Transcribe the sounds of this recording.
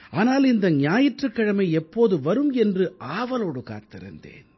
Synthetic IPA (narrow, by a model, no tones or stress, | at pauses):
aːnaːlɪnd̪ɐɲjaːjɪʈrɯkːɐɻɐmɐɪɛpːoːðɯʋɐɾɯmɛndrɯʔaːʋɐloːɽɯka̰ːt̪ːɪɾɐ̰nd̪ḛːn